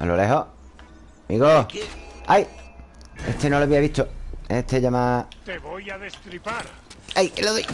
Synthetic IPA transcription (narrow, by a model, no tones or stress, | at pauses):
a̰lole̞ɦo | miɣo | aj | et̪enoloaβiaβit̪oet̪ʰe̞ʎamat̪eβojaðest̪ɾipaɾ | ajkeloðoj